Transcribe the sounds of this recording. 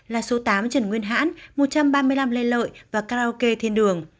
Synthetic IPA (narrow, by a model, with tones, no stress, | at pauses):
laː˨˩so˨˦t̪aː˨˦mt͡ɕə˧˩nŋwi˧ənɦa̰ː˧˥nmo˨˩t̚t͡ɕa˧mɓaː˧mɨ˧əjla˧mle˧nlə̰ː˧˨jvaː˨˩kaː˧o˧ke˧t̪ʰi˧ənɗɨ˨˩əŋ